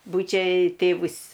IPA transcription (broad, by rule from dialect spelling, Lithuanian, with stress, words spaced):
ˈbuːt͡ʃʲɛ ˈtʲeːʋʊs